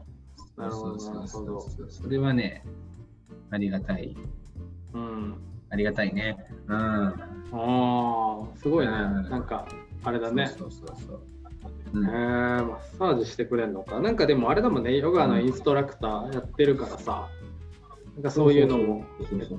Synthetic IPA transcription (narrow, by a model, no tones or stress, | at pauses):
naɾɯ̟hood̪onɾaɯhod̪oso̞ɾe̞βane | aɾʲiɡat̪aḭ | ɯ̟̃ɴaɾʲiɡat̪aine̞ɯ̟̃ːa | sɨɡo̞inenãŋkaaɾe̞d̪ane̞ososo | emasaːʑiɕi̥t̪e̞kɯ̟ɾe̞nːo̞kanãŋkad̪e̞mo̞aɾe̞d̪emo̞ne̞joɡɯano̞ĩɰ̃sɨ̥t̪o̞ɾakɯ̟̥t̪aːjat̪ːe̞ɾɯ̟kaɾasa | nãŋkaso̞ːjɯ̟ːno̞mo̞